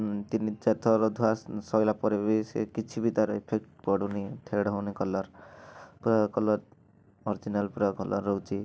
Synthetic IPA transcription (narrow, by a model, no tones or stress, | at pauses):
t̪inid͡ʒet̪ʰɔɾɔd̪ʱuassɔjlapɔɾebisḛkit͡ʃʰibit̪aɾepʰek̚ʈpɔɽunit̪ʰeɽawnikɔlɔɾpɾɔkɔlɔɾ | ɔɾd͡ʒinalpɾɔkɔlʔɔɾːowt͡ʃʰi